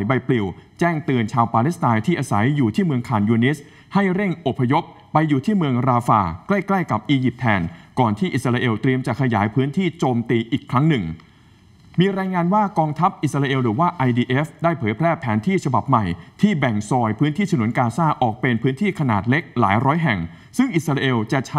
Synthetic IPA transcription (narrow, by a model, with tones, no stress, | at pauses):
jba˧jpli˨˩wt͡ɕɛː˥˩ŋt̪ɯː˧nt͡ɕʰaː˧wpaː˧li˦˥st̪aː˧jt̪ʰiː˥˩ʔaː˧sa˩˦jːuː˨˩t̪ʰiː˥˩mɯ˧əŋkʰaː˨˩njuː˧ni˦˥s | ha˥˩jɾe˥˩ŋʔo˨˩pʰːa˧jo˦˥p̚ːa˧jːuː˨˩t̪ʰiː˥˩mɯ˧əŋɾaː˧fa̰ː˧kla˥˩jkla˥˩jka˨˩p̚ʔiː˧ji˨˩p̚t̪ʰɛː˧nkɔː˨˩nt̪ʰiː˥˩ʔi˨˩sɾaː˧ʔe˧wt̪ɾi˧əmt͡ɕa˨˩kʰa˧ja̰ː˩˦jpʰɯː˦˥nt̪ʰiː˥˩t͡ɕoː˧mt̪iː˧ʔiː˨˩kʰːɾa˦˥ŋnɯ˨˩ŋ | miː˧ɾaː˧jŋaː˧nwaː˥˩kɔː˧ŋt̪ʰa˦˥p̚ʔi˨˩sa˧ɾaː˧ʔe˧wɾɯː˨˩˦waː˥˩ʔa˧jdiː˧ʔe˦˥fdaː˥˩jpʰɤː˩˦jpʰɾɛː˥˩pʰɛː˩˦nt̪ʰiː˥˩t͡ɕʰa˧ba˨˩p̚ma˨˩jt̪ʰiː˥˩bɛ˨˩ŋsɔː˧jpʰɯː˦˥nt̪ʰiː˥˩a˧nu˩˦nkaː˧saː˥˩ʔɔː˨˩k̚pe˧npʰɯː˦˥nt̪ʰiː˥˩kʰa˧na̰ː˨˩t̪̚le˦˥k̚la̰ː˩˦jɾɔː˦˥jɦɛ˨˩ŋ | sɯ˥˩ŋʔi˨˩t̪̚sɾaː˧ʔe˧wt͡ɕa˨˩t͡ɕʰ